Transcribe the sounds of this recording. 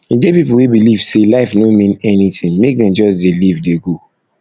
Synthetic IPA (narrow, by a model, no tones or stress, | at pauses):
iɡepipul̩webilivselaɪfnomĩnɛnitĩŋmek̚dɛ̃nd͡ʒɔsdelivdeɡo